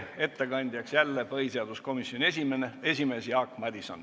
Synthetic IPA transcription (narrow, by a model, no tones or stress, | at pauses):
e̞t̪ːe̞kɑnʲd̪̥ʲjɑksjælːepɤhiseɑd̪̥usko̞misjo̞nʲiesimenee̞sʲime̞ːsjɑːkmɑd̪isɑ̰n